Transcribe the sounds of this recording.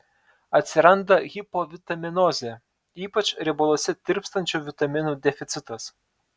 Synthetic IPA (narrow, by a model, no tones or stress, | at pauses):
ɐt̪ʲsʲɪɾɐnd̪ɐɣʲɪpoʋʲɪt̪ɐmʲɪnɔzʲe | iːpɐt͡ʃɾʲɪbolˠoːsʲɛt̪ʲɪɾʲpst̪ɐnʲt͡ʃʲuːʋʲɪt̪ɐmʲɪnuːd̪ʲɛfʲɪt̪sʲɪt̪ɐs